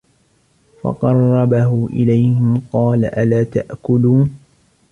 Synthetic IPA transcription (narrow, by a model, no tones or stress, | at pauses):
fɑ̰qɑrˤːɑbaɦʊʔɪlajhɪmqɑːlaʔalaːt̪a̰ʔkʊluːn